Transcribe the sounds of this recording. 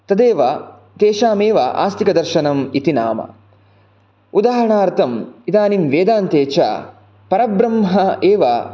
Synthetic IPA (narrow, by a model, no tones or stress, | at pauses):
t̪ɐd̪eːʋɐ | t̪eːʃaːmeːʋɐʔa̰ːst̪ʰikɐd̪ɐɾʃɐnɐmit̪ina̰ːmɐ̰ | ud̪aːɦɐɾɐɳaːɾt̪ʰɐmid̪aːnimʋeːd̪aːnt̪eːt͡ʃa̰ː | pɐɾɐbɾɐmɦɐeːʋɐ̰